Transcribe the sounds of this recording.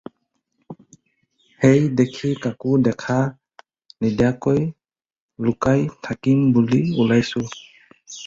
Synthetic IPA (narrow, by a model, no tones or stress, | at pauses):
hejdekʰikakudɛkʰa | nidjakɔj | lukajtʰakimbuliulajsu